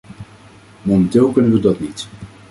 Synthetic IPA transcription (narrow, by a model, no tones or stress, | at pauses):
momɛntɪːlˠkɵnənʋədɑtnit